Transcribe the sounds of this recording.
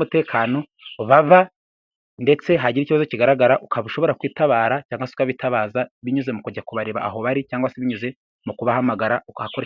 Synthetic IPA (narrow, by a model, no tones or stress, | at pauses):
mute̞ːkʰaːno̞ | βaβa | nde̞t͡se̞ɦaɟiɾiciβazociɡaɾaɡaɾaʔukaβuʃo̞βo̞ɾakwiːtaβaːɾacaːŋɡwase̥ukaβitaβaːzaβiɲuze̞mukuɟakuβaɾeβa̰ʔaɦo̞βaɾicaːŋɡwaseβiɲuze̞ | mukuβahamaɡaɾahakoɾe